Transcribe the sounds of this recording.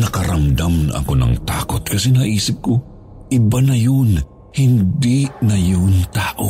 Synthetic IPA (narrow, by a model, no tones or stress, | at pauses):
nɐkɐɾɐmd̪amnʔɐ̰konɐ̰ŋt̪a̰ːkot̪̚kɐsɛnaʔiːsɪp̚ko | ʔɪbanɐjon | hɪnd̪inɐjont̪aːʔo